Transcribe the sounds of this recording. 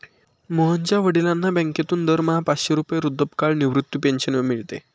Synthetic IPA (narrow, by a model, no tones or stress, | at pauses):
moɦəɲt͡ɕjaʋəɽilãnːabɛ̃ŋket̪uːnd̪əɾməɦapaɕeɾupjeɾud̪ʱːəpkaɭniʋɾut̪ːupenɕənʋəmiɭt̪ḛ